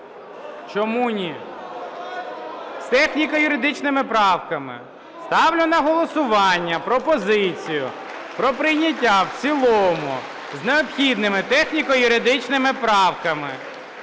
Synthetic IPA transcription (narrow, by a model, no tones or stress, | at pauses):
t͡ʃɔmunʲi | st̪ɛxnʲikɐjʊɾɪd̪ɪt͡ʃnɪmɪpɾɑwkɐmɪ̰ | st̪ɑwlʲʊnɐɦɔlˠɔsʊʋɑnʲːɐpɾɔpɔzɪt͡sʲijʊ̰ | pɾɔpɾɪjnʲɐt̬ʲːawt͡sʲilˠɔmʊ̰ | zneɔpxʲid̪nɪmɪt̪ɛxnʲikɔjʊɾɪd̪ɪt͡ʃnɪmɪpɾɑwkɐmɪ̰